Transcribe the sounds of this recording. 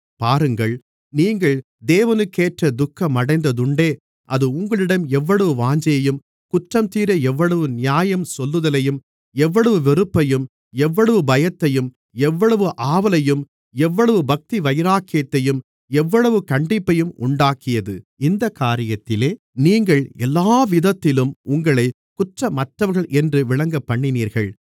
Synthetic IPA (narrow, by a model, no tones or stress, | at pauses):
paːɾɯŋɡɐɭ | niːŋɡɐɭ | d̪eːʋɐnɯkːeːʈrɐd̪ʊkːɐmːɐɽɐɪnd̪ɐðɯɳɖeː | ʔɐðɯʊŋɡɐɭɪɽɐmɛʋːɐɭɐʋɯʋaːɲd͡ʒɐjɐjɯm | kʊʈrɐmt̪iːɾɐɛʋːɐɭɐʋɯnɪjaːjɐmsɔlːɯðɐlɐjɯm | ɛʋːɐɭɐʋɯʋɛɾɯpːɐjɯm | ɛʋːɐɭɐʋɯbɐjɐt̪ːɐjɯm | ɛʋːɐɭɐʋɯʔaːʋɐlɐjɯm | ɛʋːɐɭɐʋɯbɐk̚t̪iʋɐjɐɾaːkːɪjɐt̪ːɐjɯm | ɛʋːɐɭɐʋɯkɐɳɖɪpːɐjɯmʊɳɖaːkɪjɐðɯɪnd̪ɐkːaːɾɪjɐt̪ːɪleː | niːŋɡɐɭɛlːaːʋɪðɐt̪ːɪlɯmʊŋɡɐɭɐɪ | kʊʈrɐmːɐʈrɐʋɐɾɣɐɭʔɛndrɯʋɪɭɐŋɡɐpːɐɳːɪniːɾɣɐɭ